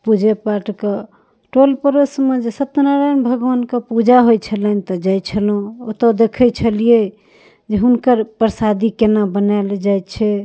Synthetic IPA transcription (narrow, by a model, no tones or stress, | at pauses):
pud͡ʒepaʈke | ʈolpəɾəsmed͡ʒesət̪naɾajnbʱəɡʋənkepud͡ʒaɦojt͡ʃʰələnt̪əd͡ʒajt͡ʃʰəlɦũot̪əd̪ekʰət͡ʃʰəlije | d͡ʒeɦunkəɾpɾsad̪ikenabənald͡ʒajt̪t͡ʃʰɛ